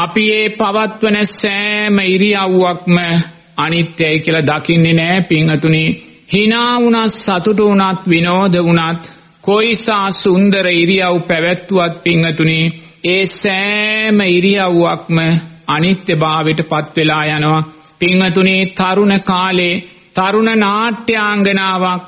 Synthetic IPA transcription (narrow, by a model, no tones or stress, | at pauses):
apieːpaʋat̪ʋənəsɛːməiɾijaʋuʋak̚mə | anit̪jajkiəlɐd̪akinːenɛːpiŋːət̪uni | hinaːunasat̪uʈəunat̪ʋinoːd̪ʱəunat̪ | koisaːsund̪əɾəiɾijawpæʋæt̪ːuʋat̪̚piŋːət̪uni | eːsɛːməiɾijaʋuʋak̚məanit̪jəbaːʋiʈəpat̪ʋelaːjanəʋa | piŋːət̪unit̪aɾunəkaːle | t̪aɾunənaːʈːjaːŋɡənaːʋak̚